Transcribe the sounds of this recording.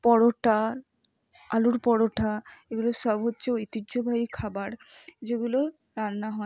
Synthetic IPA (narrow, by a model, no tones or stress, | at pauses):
pɔɽoʈa | aluɾpɔɽoʈʰaeɡuloʃɔbɦotːɕʰeit̪id͡ʑobʱaikʰabaɾ | d͡ʑeɡulo | ɾanːaɦɔ